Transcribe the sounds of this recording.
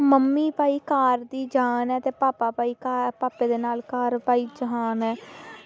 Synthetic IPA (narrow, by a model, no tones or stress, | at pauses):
məmːiːpaːiːkaːɾd̪iːd͡ʒaːnɛːt̪eːpaːpaːpaːiːkaːpaːpeːd̪eːnaːlkaːɾpaːiːd͡ʒəɦaːnɦɛː